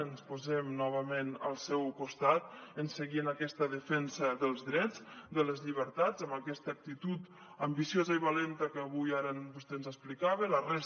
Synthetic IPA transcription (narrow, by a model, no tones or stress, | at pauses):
ənspozɛmnɔβəmenə̰lˠsɛwkust̪at̪ənsəɣiənəkɛst̪əðəfɛnsəðəlˠzðɾɛd͡zd̪ələzʎiβ̞əɾt̪ad͡zəmbəkɛst̪əːk̚t̪it̪ut̪ | əmbisiozəiβalɛnt̪əkəːβujaɾənbust̪enzəsplikaβələrɛs